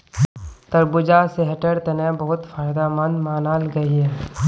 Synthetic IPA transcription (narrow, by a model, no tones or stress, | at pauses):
t̪ɐɾbʊd͡ʒaːseɦɐʈəɽt̪ɐnẽbəɦʊt̪fʰaːjd̪aːmənd̪maːnaːlɡɐiɦɛː